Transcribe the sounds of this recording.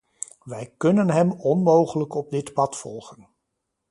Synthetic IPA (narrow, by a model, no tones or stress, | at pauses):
ʋɛjkɵnənɦɛmɔnmowχələkɔb̚dɪtpɑtfɔlˠχən